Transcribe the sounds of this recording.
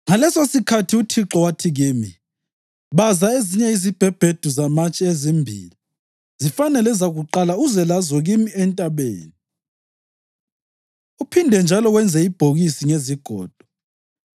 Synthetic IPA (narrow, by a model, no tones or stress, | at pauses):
ŋalɛsosikʰatʰiutʰiǁɔwatʰiɣiːmḭ | βazaeziɲɛizib̥ʱɛb̥ʱed̥ʱuzamat͡ʃʼiezimbʱḭːli | zifanɛlɛzaɣuǃalauzɛlazɔɣimiɛntʼaβḛːni | upʰindʱɛnd͡ʒʱalɔɣwɛnd͡zʱɛib̥ʱoɣisiŋeziɡ̥ʱɔ̰ːd̥ʱɔ̥